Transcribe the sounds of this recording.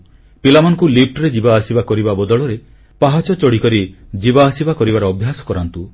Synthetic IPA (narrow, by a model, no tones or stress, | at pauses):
pilamɔnɔkulip̚ʰʈɾed͡ʒibaːsibakɔɾibabɔd̪ɔɭɔɾe | paɦat͡ʃɔt͡ʃɔɽikɔɾid͡ʒibaːsibakɔɾibaɾɔːbʱjasɔ̥kɔɾant̪u